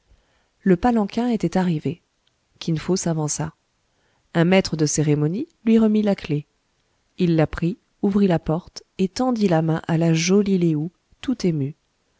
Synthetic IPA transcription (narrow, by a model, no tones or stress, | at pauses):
ləpalɑ̃kʲɛ̃et̪ɛt̪aʁive | kʲinfosavɑ̃sa | ɛ̃mɛt̪χəd̪əseʁemɔnilɥiʁəmilakle | ilːapχi | uvʁilapɔʁt̪et̪ɑ̃d̪ilamɛ̃ʔalaʒɔlileu | t̪ut̪emy